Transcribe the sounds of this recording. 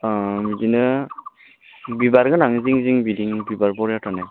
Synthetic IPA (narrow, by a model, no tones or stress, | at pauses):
midinɯ | bibaɾɡɯnaŋziŋziŋbidiŋbibaɾbɔɾjatanaj